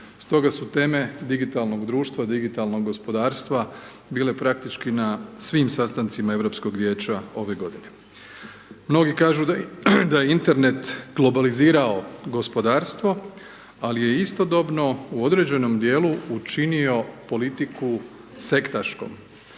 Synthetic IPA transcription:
st̪o̞ɡasut̪e̞ːme̞d̪iɡit̪alˠno̞ɡd̪ɾuːʃt̪ʋad̪iɡit̪alˠno̞ɡɡːo̞spo̞d̪aːɾst̪ʋa | biːle̞pɾakt̪it͡ʃkinasʋiːmsast̪ant̪simae̞ʋɾo̞psko̞ɡʋje̞ːt͡ɕao̞ʋe̞ɡo̞d̪ine̞ | mno̞ɡikaːʒud̪ajeint̪e̞ɾne̞t̪ɡ̥lˠo̞baliziːɾao̞ɡo̞spo̞d̪aːɾst̪ʋo̞ | alije̞ist̪o̞d̪o̞bno̞uo̞d̪ɾe̞d͡ʑe̞no̞md̪je̞ːlˠuut͡ʃinio̞po̞lit̪iku | se̞kt̪aʃko̞̰m

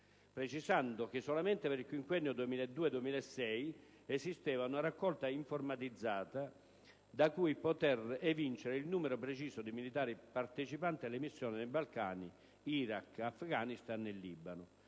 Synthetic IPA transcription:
pɾet͡ʃisand̪ʊk̟ɪsːɔlament̪ɪpeɾilkwiŋkwɛnːjod̪uemiːlaɛd̪ːuːed̪uemiːlaɛsːɛj | esist̪ɛːvaunaɾakːɔlt̪aiɱformat̪id̪zːaːt̪a | d̪akujpot̪ɛrɛvint͡ʃeɾeilnuːmeɾʊpɾet͡ʃiːsod̪ɪmilit̪aːɾipart̪et͡ʃipant̪ɪalːemisːjɔːnɪd̪ejbalkaːni | iɾakafɡaːnist̪anɛlːibanʊ

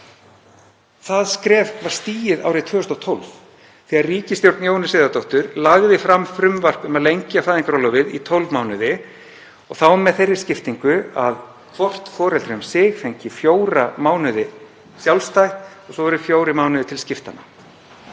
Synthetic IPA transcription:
θaðskɾɛːvkʰvaɾ̥st̪iːjɪða̰wɾɪt̪ʰʏːʏst̪ɔt̪ʰɔwlv̥ | θiarriːcɪst̪jowɾt̪njoːwnʏsɪːðat̪owht̪ʏɾlaɣðɪfɾamːfɾʏmvar̥kʏmaðlejɲcɪafaːjðiŋkaɾɔlɔvɪðḭt̪ʰɔwlvmawnʏðɪ | ɔɣθawmːɛðθejrːɪ̥scɪft̪iŋkʏað | kʰvɔr̥t̪fɔːɾɛlt̪ɾɪmsɪːɣθejɲcɪfjoːwɾamaːwnʏðɪ | sjawlst̪ajht̪ɔɣsɔvɛɾʏfjoːwɾɪmaːwnʏðɪt̪ʰɪlscɪft̪a̰na̰

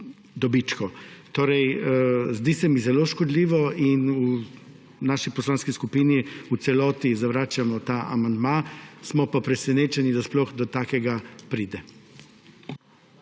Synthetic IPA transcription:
d̪ɔbit͡ʃkɔt̪oːɾɛjzd̪iːsɛmizɛloʃkɔd̪liːʋɔinu | naʃipɔslaːnskiskupiniut̪sɛlɔːt̪izaʋɾaːt͡ʃamɔt̪aʔa̰mand̪masmɔpapɾɛsɛneːt͡ʃɛnid̪asplɔxd̪ɔt̪aːkɛɡapɾiːd̪ɛ

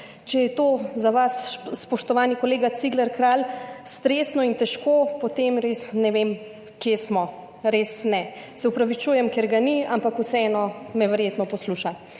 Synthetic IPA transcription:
t͡ʃɛjɛt̪oːzaʋasspɔʃt̪ɔʋaːnikɔleːɡat̪siɡlɛɾkɾalst̪ɾeːsnɔint̪ɛʃkoːpot̪emɾesnɛʋem | kjesmɔ | ɾesnɛ | sɛupɾaʋit͡ʃuːjɛmkɛɾɡaniampakusɛɛnɔmɛʋɛɾjeːt̪nɔpɔsluːʃa

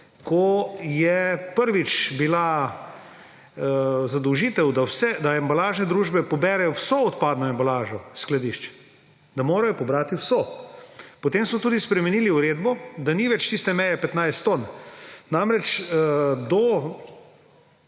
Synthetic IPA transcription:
kɔjɛpəɾʋit͡ʃbila | zad̪ɔwʒiːt̪ɛwd̪awsɛd̪aɛmbalaːʒnɛd̪ɾuːʒbɛpɔbɛːɾɛjɔwsɔɔt̪paːd̪nɔembalaːʒɔsklad̪iʃt͡ʃ | d̪amoːɾajɔpɔbɾaːt̪iwsɔ | pɔt̪emsmɔt̪uːd̪ispɾɛmɛniːliuɾeːd̪bɔd̪aniʋɛt͡ʃt̪ist̪ɛmɛjɛpɛt̪najst̪t̪onnamɾɛt͡ʃ | d̪ɔ

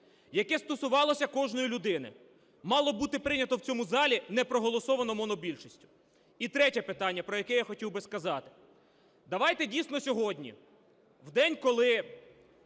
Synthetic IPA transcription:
jɐkɛst̪ɔsʊʋɑlˠɔsʲɐkɔʒnɔjilʲʊd̪ɪnɪ̰ | mɑlˠɔbut̪ɪpɾɪnʲɐt̪ɔwt͡sʲɔmuzɑlʲinɛpɾɔɦɔlˠɔsɔʋɐnɔmɔnɔbʲilʲʃisʲtʲʊ̥ | it̪ɾɛtʲɛpɪt̪ɑnʲːɐpɾɔjɐkɛjaxɔtʲiwbɪskɐzɑt̪ɪ̥ | d̪ɐʋɑjt̪ɛdʲijsnɔsʲɔɦɔdʲnʲḭ | wd̪ɛnʲkɔlˠɪ

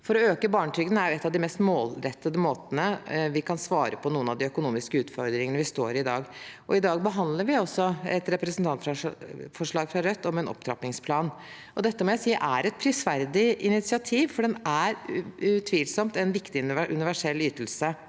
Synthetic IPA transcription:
fɔɾɔøːkəbɑːɳəʈʰʏːɡənæɾjʊɛt̪ːɑʋd̪ɪmɛst̪moːlɾɛt̪ːəd̪əmoːt̪ənəʋɪkʰɑnsʋɑːɾəpʰɔnuːənɑʋd̪ɪœkʊnuːmɪskəʉːt̪fɔɾd̪ɾɪŋənəʋɪst̪o̰ːɾɪd̪ɑ̰ːɡʔɔɪd̪ɑːɡ̚bəɦɑnd̪ləɾʋɪɔsːɔɛ̰t̪ɾɛpɾəsn̩t̪ʰɑnt̪fɾɑfɔʂɭɑːɡfɾɑɾœt̪ːɔmɛnɔ̰p̚t̪ʰɾɑ̰pnɪŋspʰlɑːn | ɔd̪ɛt̪ːəmɔjæɪsiːʔæɾɛt̪̚pʰɾɪsʋæɾd̪ɪɪnɪt̪sɪɑt̪ʰiːʋfɔɖɛnæɾʉt̪ʰʋiːlsɔmt̪ɛnʋɪkt̪ɪʔʉ̰nɪʋæʂɛlːyːt̪əlsə

